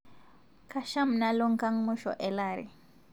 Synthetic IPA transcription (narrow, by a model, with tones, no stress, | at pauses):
ka˨ʃa˦m̩˨na˦lɔ˦ŋka˦ŋmu˦ʃɔ̰˨ʔɛ˨la˨ɾḭ˨